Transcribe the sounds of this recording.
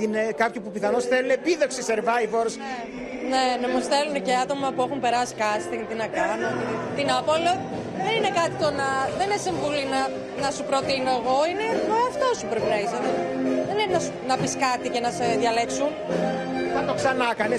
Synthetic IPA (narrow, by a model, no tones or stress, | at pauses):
inekɐpçopupiθɐnosθelunepiðo̞ksiseɾvɐjvoɾs | ne̞nemusθeluneceɐt̪o̞mɐpue̞xumpe̞ɾɐsi̥kɐsi̥t̪int̪inɐkɐnunt̪inɐpolo | ðenine̞kɐt̪it̪o̞nɐðenesiɱvulinɐ | nɐsupɾo̞t̪ino̞e̞ɣo̞ine̞oɐft̪o̞supɾepinɐiseðoðenepinɐs | nɐpiskɐt̪ice̞nɐseðʝɐle̞ksun | nɐt̪o̞ksɐnɐkɐnes